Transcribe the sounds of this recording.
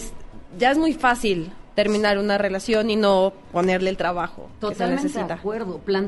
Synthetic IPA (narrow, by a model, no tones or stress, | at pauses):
esɟ͡ʝae̞zmujfasilt̪e̞ɾmĩnaɾunare̞lasjo̞nino̞ | po̞ne̞ɾle̞ːlt̪ɾaβaxo̰k̪oet̪almnesesit̪akweɾðoplan